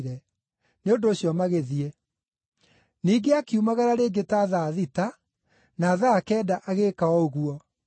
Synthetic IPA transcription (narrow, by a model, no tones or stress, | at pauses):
ɾɛ | neondoːɕjɔmaɣeðie | niːɡeakiumaɣaɾaɾeɡetaːðaðita | naːðaːkɛːdaʔaɣekaɔoɣuɔ